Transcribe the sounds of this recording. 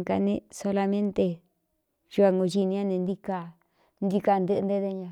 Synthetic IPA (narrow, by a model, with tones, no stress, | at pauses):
ka̰˧nẽ˧so˧la˧mẽ˦nt̪e˧ | ʒu˧a˧ŋɡo˧ʒi˧nĩ˧ã˦˧nẽ˧nd̪i˧ka˧ | nd̪i˧ka˧nd̪ɨ˦ʔnd̪e˦ðe˧ɲã˧